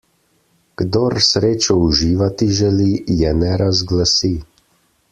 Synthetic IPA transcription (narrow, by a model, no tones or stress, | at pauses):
ɡ̥d̪ɔɾsɾeːt͡ʃɔuʒiːʋat̪iʒɛlijɛnɛɾazɡlasi